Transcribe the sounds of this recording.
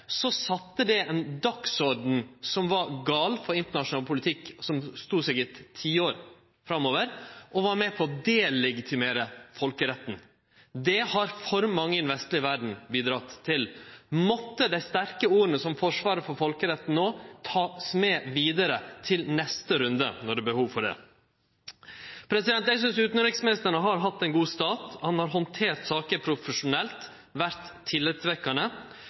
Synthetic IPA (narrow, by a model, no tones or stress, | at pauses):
sɔsɑt̪ːəd̪ɛɛnd̪ɑksɔɖɳ̩sɔmʋɑɾɡɑːlfɔɾɪnt̪əɳɑʂʊnɑːlpʰʊlɪt̪ʰɪksɔmst̪uːsɛɡɪt̪ʰːiːəoːɾ | fɾɑmːoːʋəɾʔɔʋɑɾmɛpʰɔɔd̪eːlɛɡɪt̪ʰɪmeːɾəfɔlkəɾɛt̪ːn̩ | d̪ɛhɑɾfɔɾmɑŋːəɪnʋɛst̪ɭɪəʋæɖɳ̩biːd̪ɾɑt̪ʰːɪlmɔt̪ːəd̪æɪst̪æɾkəuːɾənəsɔmfɔʂʋɑːɾəfɔɾfɔlkəɾɛt̪ːn̩noːt̪ʰɑːsmeːʋiːd̪əɾət̪ʰɪlnɛst̪əɾʉnd̪ə̰nɔɖɛːbəhuːʋfɔɖɛ̰ː | pʰɾɛsɪd̪ɛnt̪æɪs̬ʏnsʉːt̪n̩ɾɪksmɪst̪əɳəɦɑɾɦɑt̪ːɛɪnɡuːst̪ɑːt̪hɑnhɑɾɦɔnt̪ʰeːɾt̪sɑːkəpʰɾʊfəʂʊnɛlt̪ | ʋæɾt̪ʰːɪlːɪt̪sʋɛkːɑnə